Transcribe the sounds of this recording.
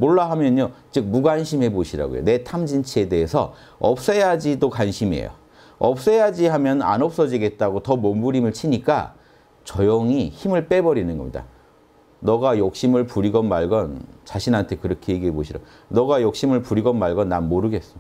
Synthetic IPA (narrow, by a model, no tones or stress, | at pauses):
moɭːaɦamjʌɲot͡ɕɯk̚muɡanɕʰime̞boɕʰiɾa̰ɡo̰jo̰ne̞tʰamd͡ʑint͡ɕʰie̞de̞ːsʰʌ̰ | ʌp̚s͈ʌjad͡ʑidokanɕʰimḛjo̰ | ʌp̚s͈ʌjad͡ʑihamjʌna̰nʌp̚s͈ʌd͡ʑiɡe̞t̚t͈aɡotʌmombuɾimɯɭt͡ɕʰiɲik͈a̰ | t͡ɕʌjoŋiçimɯɭp͈e̞bʌɾinɯnɡʌmɲḭda̰ | nʌɡajok̚ɕ͈imɯɭpuɾiɡʌnmaɭɡʌnt͡ɕaɕʰinɦantʰe̞kɯɾʌkʰejeɡiɦeboɕʰiɾa̰ɡ | nʌɡajok̚ɕ͈imɯɭpuɾiɡʌnːaɭɡʌnːammoɾɯɡe̞s͈ʌjo